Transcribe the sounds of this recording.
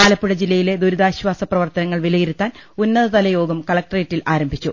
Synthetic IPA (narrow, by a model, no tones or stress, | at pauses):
aːlɐpːuɽɐd͡ʑilːɐjile̞d̪uɾuðaːɕʋwaːsɐprɐʋɐrt̪ɐnɐŋːɐɭʋilɐjiɾut̪ːaːnunːɐðɐt̪ɐlɐjo̞ːɡɐmkɐɭɐk̚ʈreːtːilʔaːɾɐmbʱit͡ɕːu